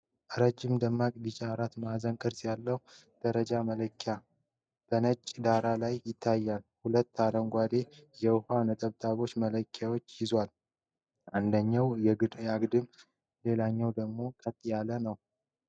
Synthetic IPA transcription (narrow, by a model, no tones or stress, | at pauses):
ʔɨɾəd͡ʒːɪmd̪əmːakʼd̪it͡ʃʼaɾat̪mazəŋkʼɨɾsjalːəhu | d̪̥əɾəd͡ʒamələkʰːja | b̥ənət͡ʃʼːd̪aɾalajːɪt̪ʰːajːalhulət̪ːaɾəŋɡʷad̪e̞jɛwhanət̪ʼəβt̪ʼaβo̞t͡ʃːmələkʰːawot͡ʃːjɪzwal | ʔand̪əɲːawjɛjaɡd̪ɨm | le̞laɲːawd̪əɡmo̞kʼət̪ʼːjalənəw